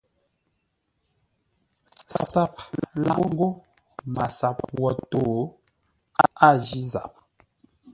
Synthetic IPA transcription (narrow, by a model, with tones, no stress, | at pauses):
sa˦p̚la˦ŋ˦ɡo˦ | ma˨sa˨p̚wɔ˨toː˨ | a˦a˦˨d͡ʒi˦za̰˨p̚